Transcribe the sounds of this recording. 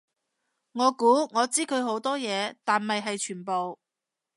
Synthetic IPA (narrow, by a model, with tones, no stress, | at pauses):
ŋɔː˨˧kuː˨˥ŋɔː˨˧t͡siː˥kʰɵ˨˧ɥɦo˨˥wt̪ɔː˥jɛː˨˧t̪aː˨nmɐ˨jɦɐ˨jt͡ʃʰyː˨˩npo˨w